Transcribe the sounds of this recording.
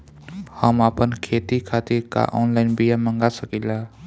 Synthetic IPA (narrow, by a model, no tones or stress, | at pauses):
haːmaːpənkʰeːt̪ikʰaːt̪iɾka̰ːʔoːnlaːɪnbijaːmə̃ŋɡaːsəkilaː